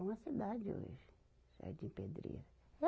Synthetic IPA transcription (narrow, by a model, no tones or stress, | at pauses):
ũmɐsid̪ad͡ʒɪo̰ʒɪ | sa̰ɾd͡ʒĩped̪ɾḭɾɐ | ɛ